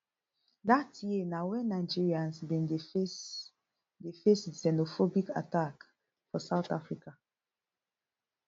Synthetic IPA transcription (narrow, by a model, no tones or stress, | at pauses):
datʰjenawɛ̃nnaɪd͡ʒiɹiãnsbĩnde | defessɛnofobika̰tak | fɔsaʊtafɹika